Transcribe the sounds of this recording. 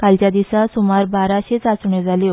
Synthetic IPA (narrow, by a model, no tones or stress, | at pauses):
kalt͡ɕjad̪isasumaɾbaɾaɕet͡sasuɳed͡zʱalj